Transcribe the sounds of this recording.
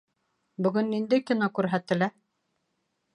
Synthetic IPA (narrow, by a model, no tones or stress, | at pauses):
bɵ̆ɡɵnːind̪ɘkinokʉɾɦæt̪ɘ̆læ